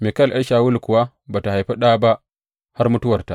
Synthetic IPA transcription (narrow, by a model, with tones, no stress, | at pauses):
meː˨kɐ˦lʔa˦lʃaː˨wʊ˦lkʷʊ˨wa˦ | baː˨ta˨ha˨jɸɐ˦ɗaː˦˨ba˦ʔ | ha˦rmʊ˦tʊ˦wɐ˨rta˨ʔ